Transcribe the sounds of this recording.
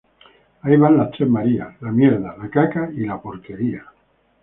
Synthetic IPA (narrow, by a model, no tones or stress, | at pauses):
aiβanlat͡ʃemaɾia̰lamjeɾðalakakailapoɾkeɾia